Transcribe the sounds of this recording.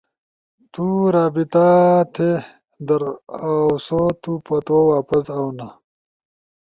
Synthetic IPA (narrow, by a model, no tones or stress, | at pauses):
t̪uɾaːbit̪at̪ʰe | d̪ɐɾawsot̪upɐt̪owaːpɐsawna